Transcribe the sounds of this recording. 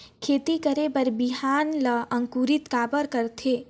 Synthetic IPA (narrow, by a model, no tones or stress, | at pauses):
kʰeːt̪ikəɾebəɾbiɦaːnləɐ̃ŋkuːɾɪt̪kaːbəɾkəɾt̪ʰeː